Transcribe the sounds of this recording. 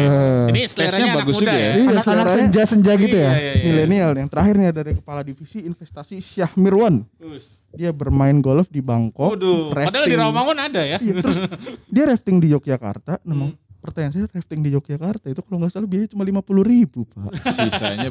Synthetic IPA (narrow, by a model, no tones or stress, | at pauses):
ənisaɲabaɡʊsuɡaijasəaɾasəɲd͡ʒasəɲd͡ʒaɡit̪ujamilenialjaŋt̪əɾahɪrɲadaɾikəpaladifisiːnfɛst̪asisiahmirwan | diabərmaɪnɡɔlfdibaŋkɔkrɛfdaɪiŋɾomaŋʊnadajaijat̪əɾʊsdiaɾɛft̪ɪŋdid͡ʒok̚d͡ʒaka̰rt̪anamaŋpərt̪aɲans̬ajarɛft̪ɪŋdid͡ʒok̚d͡ʒakart̪ait̪ukaloŋɡaʔsalabiaɲat͡ʃumalimapuluhribup̚a̰ʔsisa̰ɲa